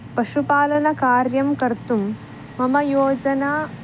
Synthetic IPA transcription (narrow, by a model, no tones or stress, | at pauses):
pɐʃupaːlɐnɐkaːɾjɐmkɐɾt̪um | mɐmɐjoːd͡ʒɐnaː